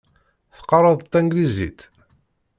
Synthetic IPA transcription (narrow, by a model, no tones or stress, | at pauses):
θə̥qːɑɾˤɑðˤt̪ːæŋɡlizḭt̪